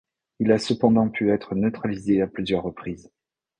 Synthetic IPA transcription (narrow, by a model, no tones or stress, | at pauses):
ilasəpɑ̃d̪ɑ̃pʰyɛt̪χənət̪χalizeaplyzjœʁːəpχiːz